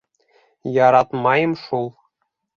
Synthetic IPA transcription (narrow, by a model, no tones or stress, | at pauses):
jɑɾɑt̪mɑjɤ̆mʃulˠ